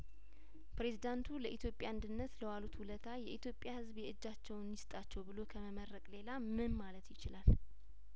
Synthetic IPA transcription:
pɾe̞zid̪ant̪ʰuləʔit̪ʰjo̞pʼjand̪ɨnːət̪ləwalut̪hulət̪ʰajɛʔit̪ʰjo̞pʼːjahɨzbjɛɨd͡ʒːat͡ʃːɛwnːɪst̪ʼat͡ʃːɛwbɨlo̞kʰəməməɾːəkʼle̞lamɨnmalət̪jɪt͡ʃɪlal

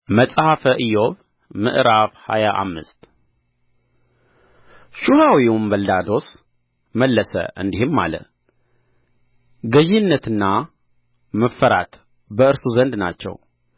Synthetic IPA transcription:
məsʼhafəʔɨjo̞β | mɨ̰ʔɾaβha̰jaʔa̰mːɨst̪ | ʃuhawiwumbəld̪ad̪o̞s | məlːəsə̰ʔɨ̰nd̪ihɨmːa̰lə̰ | ɡəʒɪnːət̪ɨnːa | məfːəɾat̪ | bəɨɾsuzənd̪na̰t͡ʃːɛ̰w

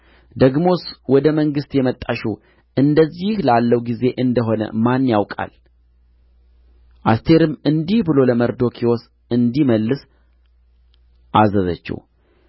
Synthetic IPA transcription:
d̪əɡmo̞swɔd̪əməŋɡɨst̪jɛmət̪ʼːaʃṵ | ʔɨnd̪əzːihlalːəwɡize̞ʔɨnd̪əɦo̞nə̰manːjawkʼa̰l | ʔa̰st̪ʰe̞ɾɨmːɨnd̪ihbɨlo̞ləməɾd̪o̞kʰiwos | ɨnd̪iməlːɨs | ʔazəzə̰t͡ʃːɛ̰w

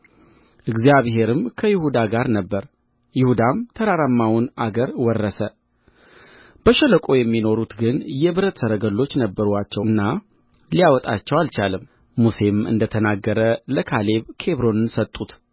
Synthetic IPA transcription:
ʔɨɡzijaβɦe̞ɾɨmkʰəjɪhud̪aɡaɾnəbːəɾ | jɪhud̪amt̪ʰəɾaɾamːawunʔaɡəɾwɔrːəsə | b̥əʃələkʼo̞jɛmːino̞ɾut̪ɡɨnjɛβɨɾət̪səɾəɡəlːo̞t͡ʃːnəbːəɾuat͡ʃːɛnːa | lijawɔt̪ʼat͡ʃːɛwalt͡ʃalɨmː | use̞mɨ̰nd̪ət̪ʰənaɡːəɾələkʰale̞βkʰe̞βɾo̞nɨnsət̪ʼːut̪

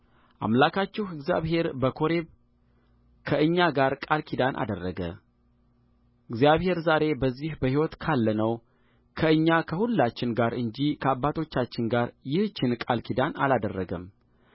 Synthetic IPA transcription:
ʔa̰mlakʰat͡ʃːɪhɨɡzja̰βɦe̞ɾbəkʰo̞ɾeβ | kʰəɨɲːaɡaɾkʼalkʰid̪anʔa̰d̪ərːəɡə̰ | ʔɨɡzijaβhe̞ɾzaɾe̞bəzːihbəhiwɔt̪kʰalːənəw | kʰəɨɲːakʰəhulːat͡ʃːɪnɡaɾɨɲd͡ʒikʰəabːat̪ʰo̞t͡ʃːat͡ʃːɪnɡaɾjɪht͡ʃːɪnkʼalkʰid̪ana̰lad̪ərːəɡəm

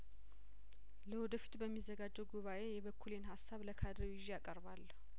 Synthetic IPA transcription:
ləwɔd̪əfi̥t̪ʼbəmːizːəɡad͡ʒːɛwɡuβaʔe̞jɛβəkʰːulenɦasːaβləkʰad̪ɾəwɪʒijakʼəɾβalː

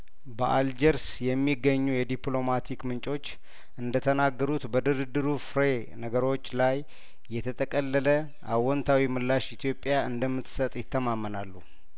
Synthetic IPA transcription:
bəʔald͡ʒəɾsjɛmːiɡːəɲːujɛd̪ipʼlo̞mat̪ʰikmɨnt͡ʃʼo̞t͡ʃː | ʔɨnd̪ət̪ʰənaɡːəɾut̪bəd̪ɨɾɨd̪ːɨɾufɾe | nəɡəɾo̞t͡ʃːlajː | ɛt̪ʰət̪ʰʼəkʼəlːələ | ʔawɔnt̪ʰawimɨlːaʃit̪ʰjo̞pʼːjaɨnd̪əmːɨt̪sət̪ʼjɪt̪ʰːəmamːənalːu

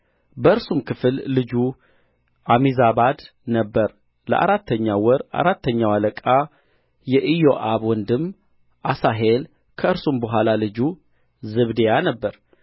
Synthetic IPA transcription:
bəɨɾsumkʰɨfɨlːɨd͡ʒu | ʔamizabad̪ | nəbːəɾ | lə̰ʔa̰ɾat̪ʰːəɲːawɔɾʔa̰ɾat̪ʰːəɲːawaləkʼa | jɛʔijoʔaβwɔnd̪ɨm | ʔasaɦel | kʰəɨɾsumbəɦʷalalɨd͡ʒu | zɨβd̪ejanəbːəɾ

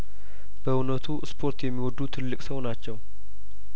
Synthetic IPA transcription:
b̥əunət̪ʰuspʰo̞ɾt̪jɛmːiwɔd̪ːut̪ʰɨlːɨkʼsəwnat͡ʃːɛw

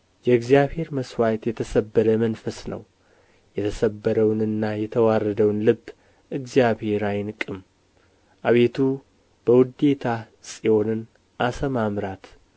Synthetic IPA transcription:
jɛɨɡzijaβhe̞ɾməswajt̪jɛt̪ʰəsəbːəɾəmənfəsnə̰w | jɛt̪ʰəsəbːəɾəwnɨnːajɛt̪ʰəwarːəd̪əwnlɨbː | ʔɨɡzjaβhe̞ɾajnkʼɨm | ʔaβe̞t̪ʰu | b̥əwʊd̪e̞t̪ʰa | sʼijo̞nɨn | ʔasəmamɾat̪

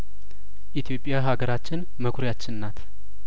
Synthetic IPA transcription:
ʔit̪ʰijo̞pʼːjaɦaɡəɾat͡ʃːɪn | məkʰʷɾjat͡ʃːɪnnːat̪ʰ

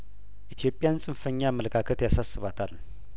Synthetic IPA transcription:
ʔit̪ʰjo̞pʼːɪjansʼɨnfəɲːamːələkʰakʰət̪jasasːɨβat̪ʰal

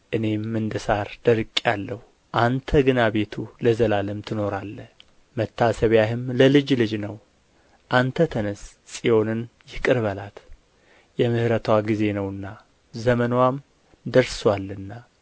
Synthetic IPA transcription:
ʔɨne̞mːɨnd̪əsaɾd̪̥əɾkʼːalːəhu | ʔant̪ʰəɡɨnaβe̞t̪ʰuləzəlaləmt̪ʰɨno̞ɾalːəh | mət̪ʰːasəβjaɦɨmləlɨd͡ʒlɨd͡ʒnəw | ʔant̪ʰət̪ʰənəs | sʼijo̞nɨnjɪkʼɨɾβəlat̪ | jɛmɨhɾət̪ʰwaɡize̞nəwɨnːa | zəmənwam | d̪əɾswalːɨnːa

